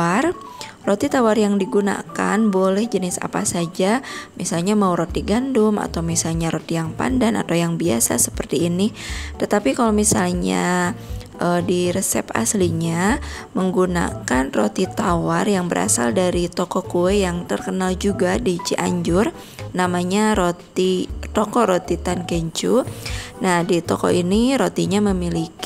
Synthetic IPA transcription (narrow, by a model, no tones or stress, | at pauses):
ar | rot̪it̪awarjaŋdiɡuna̰ka̰nbolɛhd͡ʒənɪsa̰pa̰sad͡ʒamisalɲamauɾot̪iɡandʊma̰t̪awmisalɲaɾot̪ijaŋpa̰ndana̰t̪awjaŋbia̰sa̰sə̥pərt̪iːnɪt̪ət̪apikalomisalɲa̰ | ʔədiɾəsɛ̰pa̰sliɲaməŋɡuna̰kanrot̪it̪awarjaŋbəɾʔa̰sa̰ldaɾit̪okɔkuwɛjaŋt̪ərkənald͡ʒuɡadit͡ʃiʔa̰ɲd͡ʒʊr | namaɲaɾot̪it̪okɔɾot̪it̪ankɛɲt͡ʃunahdit̪okɔ̰ʔiniɾot̪iɲaməmilik